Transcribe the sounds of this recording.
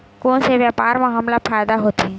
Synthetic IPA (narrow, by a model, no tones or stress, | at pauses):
kõːnseʋjaːpaːɾmaɦamlapʰaːjd̪aɦoːt̪iɛ̃